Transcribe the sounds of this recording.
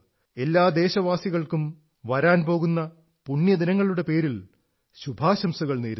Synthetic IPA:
e̞lːaːd̪e̞ːɕɐʋaːsiɣɐɭkum | ʋɐɾaːnpo̞ːɣunːɐ | puɳjɐd̪inɐŋːɐɭuɽe̞pe̞ːɾil | ɕubʱaːɕɐmsuɣɐɭneːɾu

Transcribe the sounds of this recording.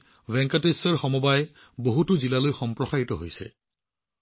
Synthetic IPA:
vɛŋkatesɔɹxɔmɔbaj | boɦutuzilalojxɔmpɹɔxaɹitɔɦo̰jsɛ̰

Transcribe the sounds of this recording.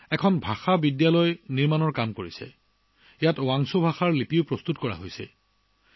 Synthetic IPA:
ɛkʰɔnbʱaxabidjalɔjniɹmanɔɹkamkoɹisɛ̰ | ijatʊwaŋsobʱaxaɹlipiʊpɹɔst̪utkɔɹa̰ɦojsɛ̰

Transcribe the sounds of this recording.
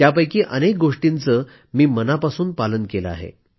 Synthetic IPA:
japəjkiːʔənek̚ɡoʂʈint͡səː | miːmənapasuːnpalənkeləa̰ɦḛ

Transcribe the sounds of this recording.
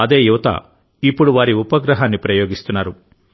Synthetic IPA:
ɐd̪e̞ːjuʋɐt̪ɐ̰ | ipːuɽuʋaːɾiupɐɡɾɐɦaːnːipɾɐjoːɡist̪unːaːɾu

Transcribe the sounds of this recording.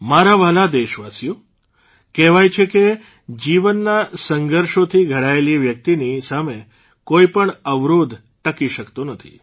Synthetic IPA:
maɾaʋalad̪eʃʋasjũ | kɛʋajt͡ʃʰeke | d͡ʒiʋənːasəŋɡʱəɾʃot̪ʰiɡʱəɽaeliʋjək̚t̪inisame | koipəɳəʋɾud̪ʱ | ʈəkiʃəkt̪onət̪ʰḭ

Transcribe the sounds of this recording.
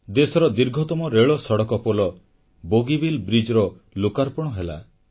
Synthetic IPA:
d̪esɔɾɔd̪iɾɡʱɔt̪ɔmɔɾeɭɔsɔɽɔkɔpɔlɔ | boɡibilbɾid͡ʒɔɾɔ | lukaɾpɔɽ̃ɔɦela̰

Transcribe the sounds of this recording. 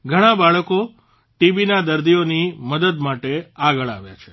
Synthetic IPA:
ɡʱəɽ̃ãbaɭəko | ʈibinad̪əɾd̪ijoniməd̪əd̪maʈeaɡəɭa̰ʋja̰t͡ʃʰe̥

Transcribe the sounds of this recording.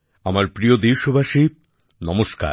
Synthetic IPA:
amaɾpɾijod̪iwʃobʱaʃi | nɔmoʃka̰ɾ

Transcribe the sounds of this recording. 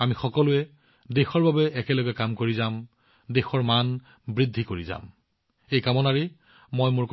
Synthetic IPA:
amixɔkɔlʊɛ | dexɔɹbabɛːkɛlɔɡɛkamkoɹizam | dexɔɹman | bɹidʱːikoɹiza̰m | ejkamɔnaɹi | mojmʊɹk

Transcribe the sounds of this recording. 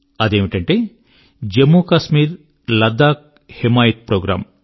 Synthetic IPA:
ɐd̪eːmiʈɐɳʈeː | d͡ʒemːuːkɐsmiːɾ | lɐd̪aːk̚ | hemaːjit̪̚pɾoːɡɾa̰ːm

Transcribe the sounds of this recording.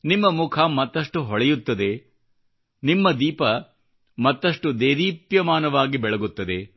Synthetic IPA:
nimːɐmukʰɐmɐt̪ːɐʂʈuɦɔɭɛjut̪ːɐd̪e̞ | nimːɐd̪iːpɐ | mɐt̪ːɐʂʈud̪eːɾiːpjɐmaːnɐʋaːɡibɛɭɐɡut̪ːɐd̪e̞

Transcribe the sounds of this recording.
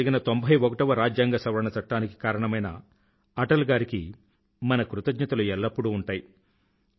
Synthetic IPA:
ɡinɐt̪o̞mbʱɐjʋokɐʈɐʋɐɾaːd͡ʒjaːŋɡɐsɐʋɐɾɐɳɐt͡ʃɐʈːaːniki̥kaːɾɐɳɐmɐjnɐ̰ | ɐʈɐlɡaːɾiki | mɐnɐkɾut̪ɐɡɲɐt̪ɐluɛlːɐpːuɽuːɳʈaːji

